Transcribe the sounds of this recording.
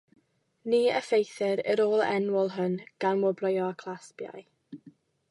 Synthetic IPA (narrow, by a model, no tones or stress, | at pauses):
niːəfejθɪɾəɾoːlˠɛ̰nwɔlˠɦʊnɡ̥anmwɔbrɔjɔakʰlˠaspja̰j